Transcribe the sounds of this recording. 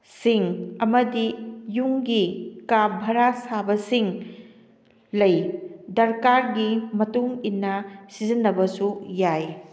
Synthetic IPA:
siŋɐmɐdijuŋɡikabʱɐɾasabɐsiŋ | lɐjdɐɾkaɾɡimɐtuŋinːɐsizinːɐbɐsujaj

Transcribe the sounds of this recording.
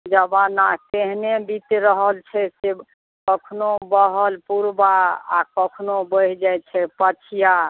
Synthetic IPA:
d͡ʒəbanat̪eɦnebit̪ɾəɦəlt͡ʃʰɛse | kɔkʰnobəɦəlpuɾbaa̰kɔkʰnobəɦd͡ʒajt͡ʃʰɛpət͡ʃʰija

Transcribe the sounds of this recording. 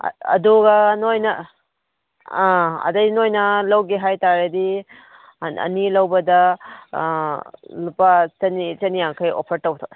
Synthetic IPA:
ɐ̰duɡɐnojnɐ | ɐ̰dɐjnojnɐlɐwɡiɦajtaɾedi | ɐ̰nilɐwbɐdɐ | lupat͡ʃɐnit͡ʃɐnijaŋkʰɐjo̰pʰɐɾtɐwtʰok

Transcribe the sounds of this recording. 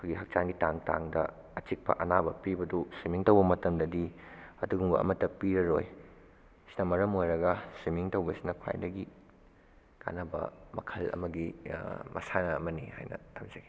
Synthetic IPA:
kʰoɡihɐk̚t͡ʃanɡitaŋta̰ŋdɐ | ɐt͡ʃik̚pɐ̰ʔɐnabɐpibɐdusimiŋtɐwbɐmɐtɐmdɐdiɐduɡuŋbɐ̰ɐ̰mɐtːɐpiɾɐɾo̰j | si̥nɐmɐɾɐmojɾɐɡɐsimiŋtɐwbɐsinɐkʰwa̰jdɐɡi | ka̰nɐbɐ̰mɐ̰kʰɐlɐ̰mɐɡimɐ̰sanɐɐmɐniha̰jnɐ̰tʰamzɐɡi

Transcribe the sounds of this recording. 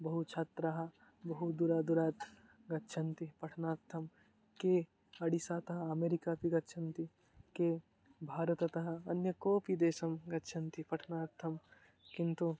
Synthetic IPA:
bɐɦut͡ʃʰaːt̪ɾaɦɐ | bɐɦud̪uɾad̪uɾaːt̪ | ɡɐt̪ːt͡ʃʰɐnt̪ipɐʈʰnaːt̪ʰːɐm | ke | ɐɽisaːt̪ɐɦɐɐmeːɾikapʰiɡɐt̪ːt͡ʃʰɐnt̪i | ke | bʱaːɾɐt̪ɐt̪ɐɦɐɐnjəkoːpid̪eːsɐmɡɐtːt͡ʃʰɐnt̪ipɐʈʰnaːɾt̪ʰːɐm | kĩnt̪u

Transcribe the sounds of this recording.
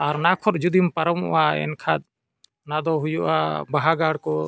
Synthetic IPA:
aɾnakʰɔɾd͡ʒud̪impaɾɔmɔ̰ʔaɛ̰nkʰad̪̚ | nad̪ɔɦujuʔa̰baɦaɡaɽkɔ

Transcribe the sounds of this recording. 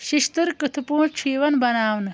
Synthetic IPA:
ʃiʃt̪ɨɾkɨt̪ʰupuːɳt͡ʃʰiːʋɐnbɐnaːʋnɨ

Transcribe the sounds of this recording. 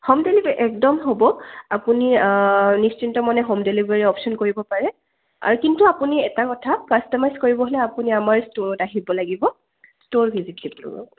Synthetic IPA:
hɔmdelibʔɛk̚dɔmɦobɔapuninist͡ʃintɔmɔnɛɦɔmdelibaɹiɔpsɔnkoɹibɔpaɹɛ | a̰ɹukintuapuniɛtakɔtʰakastɔmajzkoɹibɔɦolɛapuniamaɹstoɹɔtaɦibɔlaɡibɔ | stoɹbʱizitːiplṵɔ̰

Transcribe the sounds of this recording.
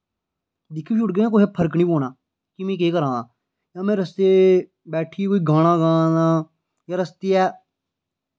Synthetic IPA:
d̪ɪkʰːĩt͡ʃʰʊʈɡəãːkoːɦɛːpʰəɾkniːpoːnaː | kimẽːk̬eːkəɾãːaː | jãːmɛ̃ːɾəst̪eː | bɛːʈʰiːkoːiːɡaːɽ̃ãːɡãːnaː | jãːɾəst̪iːɛː

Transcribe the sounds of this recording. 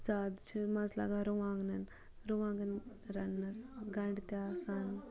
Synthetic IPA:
t͡saːd̪t͡ʃʰimɐzla̰ːɡaɾuʋaːŋɡnɐn | ɾuʋaːŋɡɐn | ɾɐnːɐsɡɐɳɖit̪jaːsaːn

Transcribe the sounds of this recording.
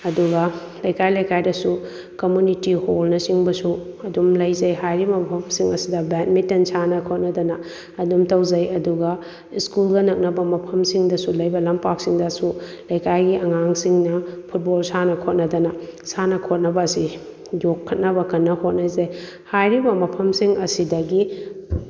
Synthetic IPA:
ɐduɡɐ | lɐjkajlɐjkajdɐsu | komunitiholnɐsiŋbɐsuɐdumlɐjzɐjɦajɾimɐpʰɐmsiŋɐsidɐbɛt̚mitensanɐkʰot̚nɐdɐnɐː | dumtɐwzɐjɐduɡɐ | iskulɡɐnɐk̚nɐbɐmɐpʰɐmsiŋdɐsulɐjbɐlɐmpak̚siŋdɐsulɐjkajɡiʔɐŋaŋsiŋnɐpʰut̚bolsanɐkʰot̚nɐdɐnɐsanɐkʰot̚nɐbɐːsi | jokʰːɐt̚nɐbɐkɐnːɐhot̚nɐzɐj | hajɾibɐmɐpʰɐmsiŋʔɐsidɐɡi

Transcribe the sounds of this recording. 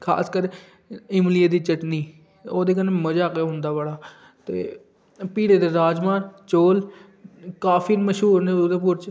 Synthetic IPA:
kʰa̰ːskəɾe | ɪmlijəd̪iːt͡ʃəʈniː | oːd̪eːkəneːməd͡ʒaːkeːɦʊ̃nd̪aːʋaːɽaː | t̪ḛː | piːɽeːd̪eːɾaːd͡ʒmaːnt͡ʃoːl | kaːfʰiːməʃɦuːɾneːod̪eːpʊɾt͡ʃ

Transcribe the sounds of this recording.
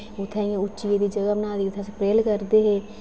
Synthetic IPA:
ʊt̪ʰːɛ̃ːẽʊt͡ʃːʃieːd̪iːd͡ʒəɡaːbənaːd̪iːʊt̪ʰːɛ̃ːsəpɾeːlkəɾd̪eːɦeː

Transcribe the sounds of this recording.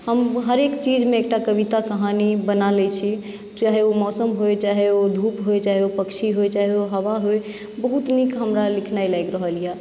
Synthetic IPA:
həmɦəɾekt͡ʃid͡ʒmẽek̚ʈakəβit̪akəɦanibənalɛt͡ʃʰi | t͡ʃaɦeomɔsəmɦojt͡ʃaɦeod̪ʱupɦojt͡ʃaɦeopəkt͡ʃʰiɦojt͡ʃaɦeoɦəwaɦoj | bəɦut̪nikɦəmɾalikʰnajlaɡɾəɦəlija

